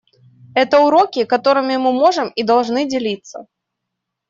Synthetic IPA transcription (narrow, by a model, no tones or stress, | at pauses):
ɛt̪ɐʊɾɔkʲikat̪ɔɾɨmʲɪmɨmɔʐɨmid̪alˠʐnɨd͡zʲɪlʲit̪sːɐ̰